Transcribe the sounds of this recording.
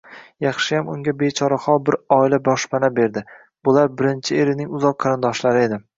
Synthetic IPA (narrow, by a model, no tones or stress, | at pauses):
jɑχʃɪjamʊŋɡʲabe̞t͡ʃʰɒɾaχɒlˠbɪɾɒɪlabɒʃpanabe̞ɾd̪ɪ | b̥ʊlaɾbɪɾɪnt͡ʃʰɪeɾɪnɪŋʊzɒqʰːɑɾɪnd̪ɒʃlaɾɪe̞d̪ɪ